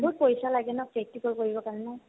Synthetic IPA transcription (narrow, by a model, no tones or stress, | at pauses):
bʊɹ̚pojsalaɡɛnɔk̚pek̚tikoɹikoɹibɔkaɹɛnaj